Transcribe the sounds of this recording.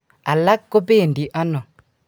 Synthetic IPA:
a˨la˦kːo˦be˦˨ndi˨ʔa˦nɔ˨

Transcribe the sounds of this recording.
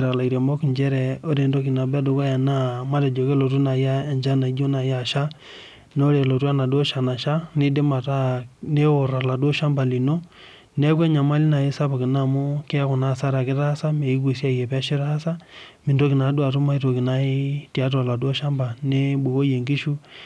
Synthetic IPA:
ɾa˨la˨i˨ɾe˨mɔ˦ki˨ɲd͡ʒɛ˦ɾɛ˨o˦ɾe˨ndo˦k̬i˨na˨bɛ˦do˨ka˦ja˨na˦ma˦tɛ˨d͡ʒo˨ke˦lɔ˨t̬u˦na˨ja˦ɛ˨ɲd͡ʒa˦na˨˦d͡ʒo˦na˨ja˦˨ʃa˦ | n˦o˦ɾe˨lo˨tu˦a˦na˨dɔ˦ʃa˨na˨ʃa˦ne˦de˦ma˨ta˦ne˦ɔ˨ɾa˨la˨dɔ˦ʃa˦mba˨li˨no˦ | nɛ˦k̬ɛ˦ɲa˨ma˦li˦na˨ɪ˦sa˦pa˨kɪ˨na˦˨mo˦ke˦a˦ku˨na˦˨sa˦ɾa˨kɪ˦ta˦sa˦me˨i˦k̬u˨si˦a˦jɛ˨pɛ˦ʃi˦ɾa˦sa˦mi˨do˦ki˨na˨˦dwa˨tu˦ma˦i˦to˨ki˨na˦ɪ˦ta˦t̬ɔ˨la˨dɔ˦ʃa˦mba˨ne˦ɓu˨ko˦je˨ŋɡi˦ʃu˦

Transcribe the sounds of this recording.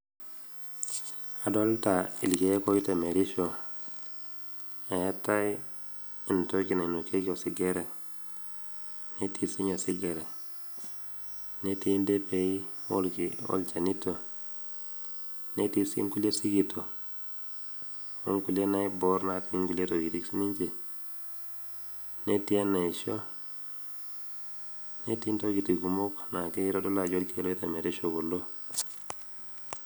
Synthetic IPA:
a˨do˦lta˨ḭ˨lke˨˦ko˦i˦ta˨me˨ɾi˦ʃo˨ | a˨ja˦ta˦i˦ | i˨n˨to˦ki˨na˨nu˨ke˦ko˨si˨˦ɡe˦ɾe˨ | ne˦ti˦si˦ɲo˨si˦ɡe˨ɾe˨ | ne˦ti˦nde˦pe˨i˦o̰˦lki˨o̰˦lt͡ʃa˨ni˦to˨ | ne˦ti˦sḭ˦ŋku˦le˦si˦ɡi˨tʰo˨ | o̰˦ŋku˨le˦na˦ibɔ˦ɾnati˨mi˦ŋku˨le˦to˨ɡi˨ti˦ksi˦ni˦ɲt͡ʃe˨ | ne˦ti˦a˦na˨i˨ʃo˦ | ne˦ti˦nto˦ɡi˨ti˨ku˨mo˦kna˨ke˦i˦ɾo˦do˦la˨d͡ʒo˦lke˨lo˦i˦ta˨me˨de˦ʃo˨ɡu˨lːo˦

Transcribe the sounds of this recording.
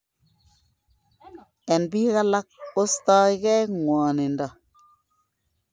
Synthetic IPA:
ɛ˨nbi˦ka˦la˦k̚o˦stɔ˦i˦kɛ˦ŋwɔ˨ni˨ndɔ˨

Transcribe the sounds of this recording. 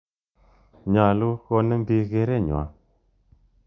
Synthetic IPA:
ɲa˨lu˦ɣo˧nə˦m˦bi˧ɣe˧˦ɾe˦˨ɲo̰˨a̰˨˦

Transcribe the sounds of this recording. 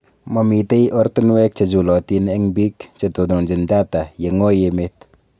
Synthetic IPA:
ma˨mi˨te˦jʔɔ˦ɾt̪u˦n˦wɛ˦k̚t͡ʃe˨d͡ʒu˨lɔ˨ti˦nɛ˦ŋbi˦kt͡ʃe˨to˨du˨nd͡ʒɪ˨nda˦ta˨je˨ŋo˦jeme˦t

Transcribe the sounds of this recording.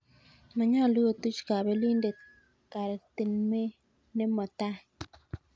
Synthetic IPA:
ma˨ɲa˦˨lu˦jo˨t̪u˦t͡ʃi̥˨ka˨βe˦liː˦nde˨ | ka˨ɾe˨t̪e˨nme˦ | ne˦mo˨ta˦

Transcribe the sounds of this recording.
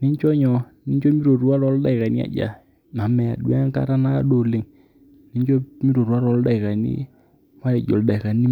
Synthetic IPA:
nɪ˦ɲt͡ʃɔ˦ɲɔ˨ | nɪ˦ɲt͡ʃɔ˦mi˦ɾo˨ɾu˦a˦lɔ˨˦lda˦˨ɪ˨ka˨ni˦a̰˨d͡ʒa̰˨ | ma˨mɛ˨a̰˨ɗwɛ˦ŋka̰˦ɾa˦na̰˦˨˦ɗo˨lɪ˨˦ŋ | nɪ˨˦ɲd͡ʒɔ˦mi˦ɾo˨ɾwa˦ɾɔ˨˦lda˦˨ɪ˨ka˨nḭ˦ | ma˦ɾɛ˨d͡ʒɔ̰˨lda˨ɪ˨ka˨ni˦

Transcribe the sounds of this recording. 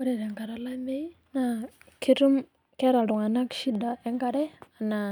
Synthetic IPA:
u˦ɾɛ˨ɾɛ˨ŋɡa˨ɾa˨˦la˦mɛ˦i˦ | na˨ | kʰi˦ɾu˦m | kɛ˦ɾa˨ɺu˨ŋa˨na˦kʃi˦da˨ɛ˦ŋɡa˦ɾɛ˦a˨na˨

